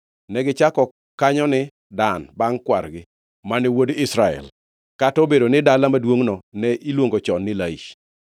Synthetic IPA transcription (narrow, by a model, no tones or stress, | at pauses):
nɛɡɪt͡ʃakɔ | kaɲɔnɪ | danbaŋkwa̰ɾɡɪ | manɪwodɪsɾaɛ̰l | katobedonɪdalamadwoŋnɔnɛʔilwoŋɡot͡ʃɔnːɪlaḭʃ